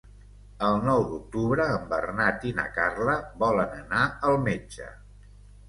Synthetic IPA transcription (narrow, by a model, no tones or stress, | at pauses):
əlˠnɔwd̪uk̚t̪uβɾəːmbərnat̪inə̰karləβɔlənənaəlˠmed͡ʒə̰